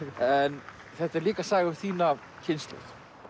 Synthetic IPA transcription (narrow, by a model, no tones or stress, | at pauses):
ɛn | θɛht̪aɛɾliːkasaːɣʏ̥θiːna | cʰɪnst̪lɛ̰x